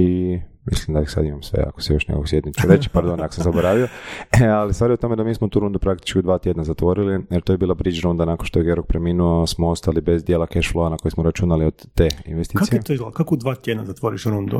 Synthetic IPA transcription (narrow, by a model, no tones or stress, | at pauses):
i | mḭslimd̪aisa̰d̪imamsʋḛa̰ko̥sejo̞ʃnḛkoksjed̪nit͡ʃuɾet͡ɕi̥paɾd̪onakosamzaboɾaʋioalist̪ʋaːɾiot̪o̞me̞d̪amiːsmout̪uːɾund̪upɾakt̪i̥t͡ʃkiud̪ʋaːt̪je̞d̪nazat̪ʋo̞ɾilijeɾt̪ojbiːlˠabɾid͡ʒɾund̪anakonʃt̪oeɡeɾok̚pɾeminuosmoost̪alibe̞zd̪jelakeʃfloanako̞jismoɾat͡ʃunaliod̪eḭnʋest̪iːkaiet̪oakakod̪ʋaːt̪jed̪nazat̪ʋoːɾiʃɾund̪ṵ